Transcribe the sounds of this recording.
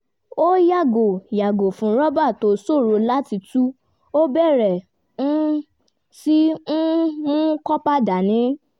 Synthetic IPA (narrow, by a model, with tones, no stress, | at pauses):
o˦ja˦˨ɡo˨ja˨ɡo˨fũ˨˧˦ɾɔ˦ba˦˨to˨˦so˦˨ɾo˧la˦ti˧tu˦ | o˦bɛ˦˨ɾɛ˨ | nũ˦ | si˦ũ˦ũ˦kɔ˦pa˦da˨nĩ˨˦